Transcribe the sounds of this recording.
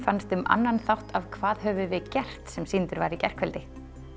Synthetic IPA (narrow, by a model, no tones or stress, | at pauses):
fanst̪ʏmʔa̰nːanθawht̪avkʰvaːðɦœvʏvɪðcɛr̥t̪sɛmsint̪ʏɾvaɾicɛr̥kʰvɛlt̪ɪ